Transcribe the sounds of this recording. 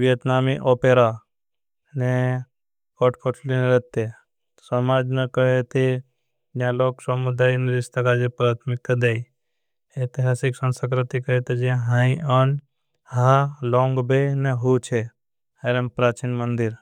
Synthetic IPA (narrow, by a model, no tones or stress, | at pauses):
ʋjət̪naːmiʔoːpeɾa | ne | kɔʈkʰoʈʰlineɾɐt̪ːe | t̪sɐmaːd͡ʒmẽkəɦet̪ʰe | d͡ʒãloːksəmud̪aːjnɾɪst̪akad͡ʒepɾaːt̪ʰmɪk̚t̪d̪eːi | et̪iɦaːsiksə̃nsə̃kɾɪt̪ikəɦet̪ed͡ʒiãɦãĩʔɔn | halõːŋɡbeneɦut͡ʃʰe | heɾempɾaːt͡ʃiːnmənd̪ɪɾ